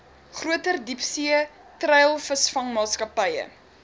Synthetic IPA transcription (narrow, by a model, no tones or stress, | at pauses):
χruətərdipsiə | trɛjəlˠfəsfɐŋmɑːskɐpəjə̰